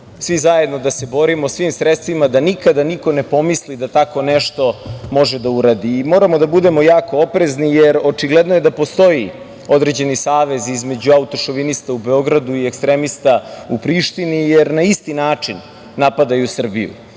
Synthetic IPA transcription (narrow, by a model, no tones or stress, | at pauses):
sʋizaje̞d̪no̞d̪ase̞bo̞ɾimosʋimsɾet̪st̪ʋimad̪anikad̪aniko̞ne̞po̞mislid̪at̪ako̞nɛʃt̪o̞mo̞ʒed̪auɾad̪iːmo̞ːɾamod̪abud̪e̞mo̞jaːko̞opɾeznijeɾot͡ʃiɡled̪nojed̪apo̞st̪o̞ji | o̞d̪ɾe̞d͡ʑe̞nisaːʋe̞zizme̞d͡ʑuaut̪o̞ʃoʋinist̪aube̞o̞ɡɾad̪uiekst̪ɾemist̪aupɾiʃt̪inijeɾnaist̪inaːt͡ʂinː | apad̪ajusr̩bijṵ